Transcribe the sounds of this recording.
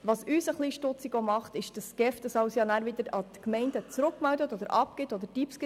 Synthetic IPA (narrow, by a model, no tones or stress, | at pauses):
ʋɑsysəχliːʃtʊt͡sɪɡomɑχt̪ɪʃd̥ɑsɡ̥ɛfd̥əsɑwsjɑnæːɾʋɪd̪əɾɑt̪kmɛɪndət͡sɾʊkmældətɔd̪əɾʔɑpɡ̥ɪtɔdəɾd̥ipsk